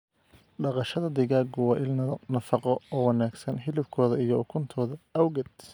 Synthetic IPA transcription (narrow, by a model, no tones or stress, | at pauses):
ɖɑqɑʃɐðɐd̪ɪɣaːɡɔwɑːʔɪlnɐnɐfɑqɔɔːwɑnaːɡsɐnhɪlɪbkʰɔːðɐijɔʊkʰʊnt̪ʰɔːðɐɐwɡɐd̪